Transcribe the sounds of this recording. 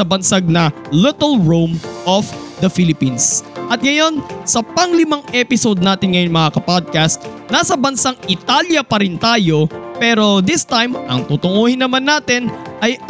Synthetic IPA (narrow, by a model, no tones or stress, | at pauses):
ɐbɐnsaɡ̚nɐlɪt̪ɐlɹumʔofd̪ɐfilɪpinsʔɐt̪̚ŋɐjo̞nsɐpɐŋlɪmaŋʔɛpɪsod̪̚naːt̪ɪnŋɐjoŋmɐŋakɐpod̪̚kɐst̪̚nasɐbɐnsaŋʔɪt̪aljɐpɐɾɪnt̪aːjo̞pɛɾo̞d̪ɪst̪ajmʔɐ̰ŋt̪uːt̪ʊŋuːhɪnːɐmanːaːt̪ɪnʔɐj